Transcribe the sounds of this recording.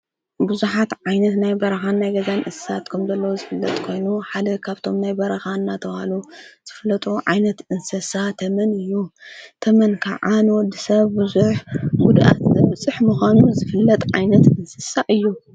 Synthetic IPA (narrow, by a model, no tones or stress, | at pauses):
buzuħat̪ʕajnɐt̪najbɐɾɐxanːajɡɐzanʔɨssat̪kʰɐmzɐlːɐwozɨfɨlːɐ̰t̪ʼkʰo̞jnuħad̪ɐkʰaβt̪ʰo̞mnajbɐɾɐxanːat̪ʰɐβhaluz̥ɨfɨlːɐt̪ʼuʕa̰jnɐt̪ʔɨnsɐsat̪ʰɐmɐnɨjːut̪ʰɐmɐnkʰaʕanwɔd̪ːisɐβbuzuħɡud̪ʔa̰t̪zɐβt͡sʼɨħmuxanuzɨfɨlːɐt̪ʼʕa̰jnɐt̪ɨnsɐsaʔɨjːu